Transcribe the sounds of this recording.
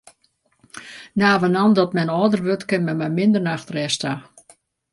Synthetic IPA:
naːʋənandɔtmɛnɔːdərʋøtkɪnmɛmɛmɪndərnaxtrɛsta

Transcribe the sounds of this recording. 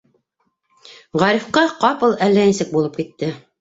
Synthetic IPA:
ʁɑɾifqɑqɑpɤlˠælːænisɘk̚bulˠɤp̚kit̪ːɘ

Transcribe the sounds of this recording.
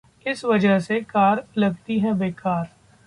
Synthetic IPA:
ɪsʋɐd͡ʒəɦsekaːɾlɐɡ̚t̪iɦɛbeːkaːɾ

